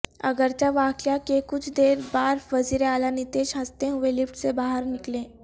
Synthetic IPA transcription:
ɐ̰ɡəɾt͡ʃaʋaːkjakekʊt͡ʃʰd̪eːɾbaːɾfəziɾeaːlanit̪eːʃɦəst̪eɦʊelɪpʈsebaːɦəɾnɪklẽː

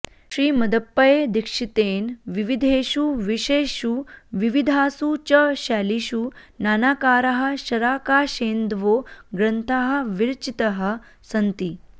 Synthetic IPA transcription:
ʃɾiːmɐd̪əpːɐjeːd̪ikʂit̪eːnʋiʋid̪ʱeːʃuʋiʃeːʃuʋiʋid̪ʱaːsuːt͡ɕɐɕaːliɕunaːnaːkaːɾɐɦɐ̆ʃɐɾaːkaːʃeːnd̪ʋoːɡɾɐnt̪ʰaɦɐ̆ʋiɾt͡ʃit̪ɐɦɐ̆ | sɐnt̪iː

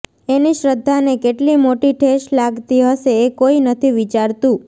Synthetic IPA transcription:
eniʃɾəd̪ʱːanekeʈlimoʈiʈʰeʃlaɡt̪iɦəʃeːkoinət̪ʰiʋit͡ʃaɾt̪ũ

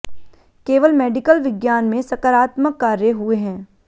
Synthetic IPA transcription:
keːʋəlmɛːɖɪkəlʋɪɡjaːnmẽsɐkəɾaːt̪məkːaːɾjəɦueɦɛ̃ː

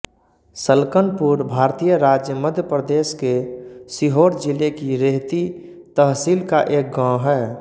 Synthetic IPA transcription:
səlkənpuɾbʱaːɾt̪ijəɾad͡ʒjəməd̪ʱjəpɾəd̪eːskesiɦoːɾd͡ʒilekiɾeɦt̪i | t̪əɦsilkaʔeːk̚ɡãːɦɛː

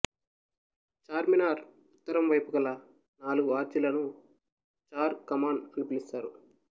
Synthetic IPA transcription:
t͡ʃaːɾminaːɾ | ut̪ːɐɾɐmʋɐjpuɡɐlɐ | naːluɡuaːɾd͡ʒilɐnu | t͡ʃaːɾkɐmaːnɐnipilist̪aːɾu

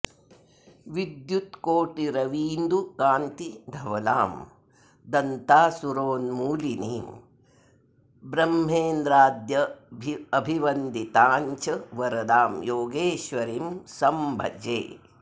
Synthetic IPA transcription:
ʋid̪jut̪koːʈiɾɐʋiːnd̪ukaːnt̪id̪ʱɐʋɐla̰ːm | d̪ɐnt̪aːsuɾoːnmuːliniːm | bɾɐmɦeːnd̪ɾaːd̪jɐbʱɐbʱiʋɐnd̪it̪aːɲt͡ʃɐʋɐɾɐd̪aːmjoːɡeːʃʋɐɾiːmsɐmbʱɐ̰d͡ʒḛː

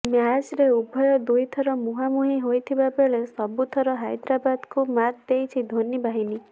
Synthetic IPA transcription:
mead͡ʒɾeubʱɔjɔd̪ujt̪ʰɔɾɔmuɦamuɦiɦojt̪ʰibabeɭesɔbut̪ʰɔɾɔɦajd̪ɾabad̪kumaɾd̪ejt͡ʃʰid̪ʱonibaɦini

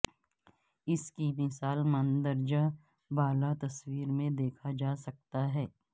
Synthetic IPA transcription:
ɪskimɪsaːlmə̃nd̪əɾd͡ʒa | baːlat̪ɐswiːɾmẽd̪eːkʰad͡ʒaːsɐk̚t̪aɦɛː

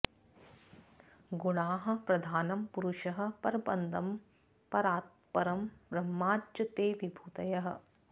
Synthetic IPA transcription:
ɡuɳaːɦɐ̆pɾɐd̪ʱaːnɐmpuɾuʃɐɦɐ̆pɐɾbɐnd̪ɐm | pɐɾaːt̪̚pɐɾɐmbɾɐmːaːjɐt̪eːʋibʱuːt̪ɐjɐɦɐ̆

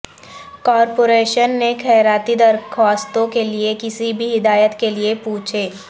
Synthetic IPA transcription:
kɔːɾpoːɾeːʃənːekʰɛːɾaːt̪id̪ɐɾkʰaːst̪õkeliekɪsibʱiɦɪd̪aːjət̪keliepuːt͡ʃʰeː

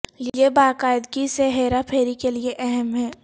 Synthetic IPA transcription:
jebaːkaːɪd̪kiseɦeːɾapʰeːɾikelieʔɛɦɛmɦɛː

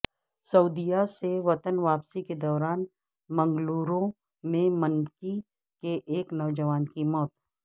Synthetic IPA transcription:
səud̪ijaseʋɐt̪ənʋaːpsiked̪ɔːɾaːn | mɐ̃ŋɡluːɾõ | mẽmənki | keʔeːknɔːd͡ʒəʋaːnkimɔːt̪

